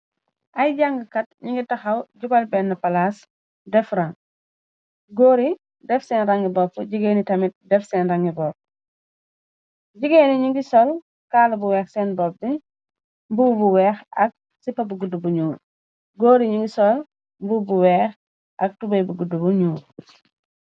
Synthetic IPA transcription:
ʔɐjɟaŋɡəkɐt̚ɲiŋɡitɐxɐwɟukɐlbɛnːɐpɐlas | dɛfɾɐŋ | ɡoːɾi | dɛfsɛːnɾɐŋɡibɔfuɟiɡenitɐmit̚dɛfsɛnrɐŋɡibɔːp̚ | ɟiɡeniɲiŋɡisɔl | kaːlɐbuwɛːxsɛːnbɔp̚di | mbubuwɛːxɐk̚ | sipːɐbuɡudubuɲuː | ɡoːɾiɲiŋɡisɔl | mbuːbuwɛːx | ʔɐk̚tubɐjbuɡudubuɲuː

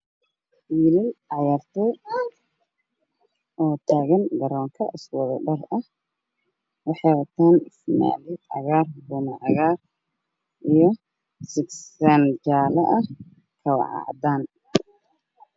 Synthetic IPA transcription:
iːlɪnʕɑʕjaːrt̪ʰɛj | ʔɔːt̪ʰaːɣɐnɡɐɾɔːŋkʰɐʔɪswɔðɐ̰ɖɐrɐh | wɑħɑwɐt̪ʰaːnɪsma̰ːlɪd̪ʕɑ̰ɣaːrbuːmɐʕɑɣaːr | ʔijɞ | sɪɡsand͡ʒaːlɐʔɐh | kʰɐwɑ̰ʕɑ̰ʕd̪aːn

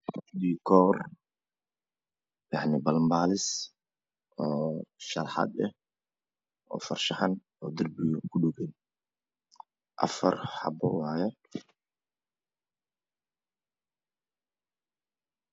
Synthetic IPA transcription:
bikʰɔːr | jɑʕnɪbɐlmbaːlɪs | ʔɔːʃɐlħɑ̰d̪ɛh | ʔɔ̰ːfɐrʃɐħɐn | ɔːd̪ɪrbɪjɔkʰʊɖʊɡɛn | ʔɐ̰fɐrħɑ̰bɔ̰wɑːjɛ

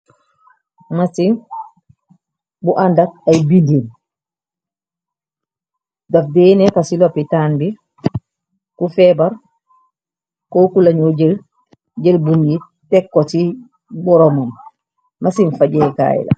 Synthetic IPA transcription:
masin | buʔandat̚ajbindin | dafdɛːnɛkasilɔpitaːnbi | kufɛbaɾ | kɔːkulaɲoɟel | ɟelbunɡi | tɛkːɔti | bɔɾɔmam | mʔasinfaɟɛka̰jḭla̰

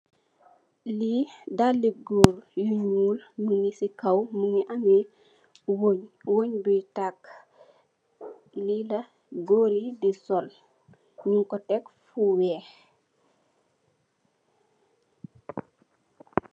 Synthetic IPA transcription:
lidalːiɡoɾjuɲuːlməŋisikɐwmuŋiʔami | woɲwoɲbujtak | lilɐ | ɡoːɾidisɔl | juŋkɔtɛkfuwɛː

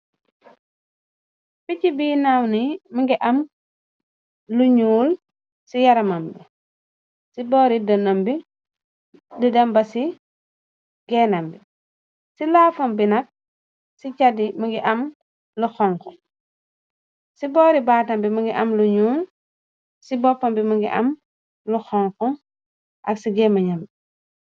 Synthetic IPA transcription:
ficibiːnawniməŋɡiʔɐm | luɲuːl | sijɐɾɐmɐmbi | sibɔːɾidɔnɐmbi | didɐmbɐsi | ɡ̥ɛnɐmbi | silaːfɐmbinɐk̚ | sicadiməŋɡiʔɐm | luxɔŋkɔ | sibɔɾibaːtɐmbimɐŋɡiʔɐmluɲuːl | sibɔpːɐmbimuŋɡiʔɐm | luxɔŋkɔ | ʔɐksiɡɛmɐɲɐmbi

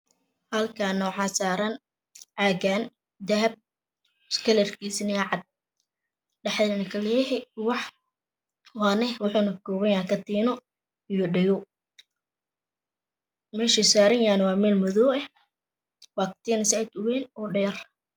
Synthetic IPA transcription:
hɐlkʰanːɔwħɑsaːɾɐn | ʕaːɡaːn | d̪ɐɦɐb̚ | skʰɛlɛrkʰiːsnɪʕɑd̪̚ | ɖɐħd̪ɛnɐkʰɐlɛjɛɦɛwɑħ | waːnɛwħʊnɐkɔːɣɐjaːkʰɐt̪ʰiːnɔ | ijɔɖɛjɔ | mɛːʃisaːɾɐnjaːnwɑːmɛːlmʊðɔːɛ | waːk̚t̪ʰiːnɐsajd̪ʊwɛːnɔːɖɛːr

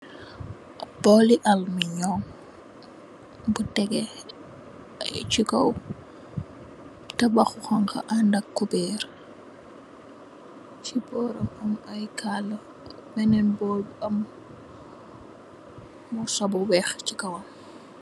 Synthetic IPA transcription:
b̥ɔːliʔɐlməɲɔːŋ | butɛɡɛ | ɐ̰jt͡ʃikɐ̰w | tɐbɐxuxɐŋkɐ̰ʔandɐkːubɛːɾ | t͡ʃibɔːɾɐmɐmɐjkʰalː | mɛnɛnbɔːbuɐm | usɔbuwɛxcikɐwɐm

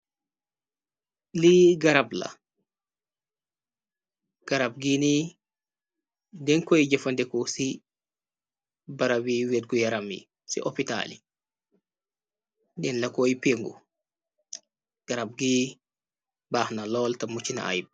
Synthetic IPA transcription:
liɡaɾabla̰ | ɡ̥aɾab̚ɡini | dɛnkɔjd͡ʒafandɛkɔsi | baɾawiwet̚ɡɔjaɾamḭ | sḭʔɔpita̰li | ɗɛnlakojpeŋɡṵ | ɡ̥aɾab̚ɡi | bahnalɔltamut͡ʃːina̰a̰jb

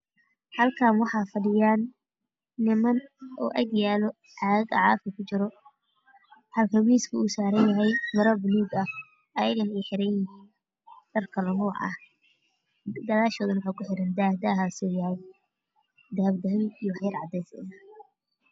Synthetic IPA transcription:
hɐlkʰaːnwɑħɑːfɐɖɪjaːnː | ɪmɐnɔ̰ːʔɐɡjaːlɔ | ʕɑɡɐ̰ʕɑːfkʰɐkʰʊt͡ʃɪɾɔ | ħɐlkʰɐwiːskʰʊʊsaːɾɐnjɐɦɛjmɐɾɔbʊnuːɡɐh | ɐjɐɣɐniħɪɾɐ | ɖ̥ɐrkʰɐlɔnuːʕɐ̰h | ɡ̪ɐlaːʃɔːðɐnwɑħɑkʰʊħɪɾɐnd̪aːhd̪aːɦaːsɔːjɐhɛj | d̪ɐhɐbd̪ɐɦɪjijɔwɑħjɐrʕɑ̰d̪ɛːsɪ̰nɐ

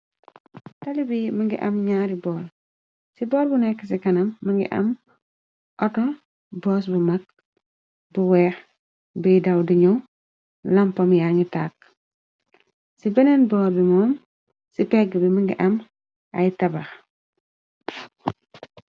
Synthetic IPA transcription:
tɐlibimɐŋɡḭʔɐmɲaɾibɔːl | sibɔːɾbunɛkːəs̬ikɐnɐmːɐŋɡḭʔɐ̰m | ʔɔtɔ | bɔːs̬bumɐk̚ | buwɛːx | bijdɐwdiɲɔ | lɐmpɐmjaŋitaːk̚ | sibɛnɛnbɔːɾbimɔːm | sipɛɡbimɐŋɡḭʔɐm | ɐjtɐbɐx

